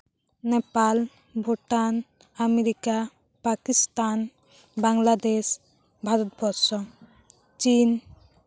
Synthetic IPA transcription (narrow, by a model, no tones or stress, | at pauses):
nepal | bʱoʈan | ameɾika | pakist̪an | baŋlad̪es | bʱaɾɔt̪bɔɾsɔ | t͡ʃin